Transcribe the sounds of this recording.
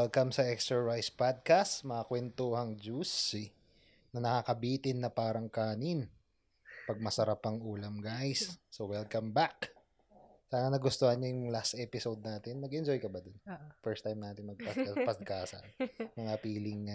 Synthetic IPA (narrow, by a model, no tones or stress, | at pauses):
wɛlkɐmsɐʔɛkst̪ɛɹpajspad̪̚kast̪mɐŋakwɛnt̪ohɐŋd͡ʒusi | nɐnɐkakɐbiːt̪ɪnːɐpaːɾɐŋkaːnɪn | pɐɡ̚mɐsɐɾapɐŋʔuːlɐmɡajsːowɛlkɐmbak | saːnɐnɐɡʊst̪ohɐnɲɲɐjʊlast̪ʔɛpɪsowd̪̚naːt̪ɪnmɐɡɛnd͡ʒojkɐbad̪onfɛɹst̪ajmnaːt̪ɪnmɐɡ̚pɐɐpɐskaːsɐ̰nmɐŋapiːlɪŋ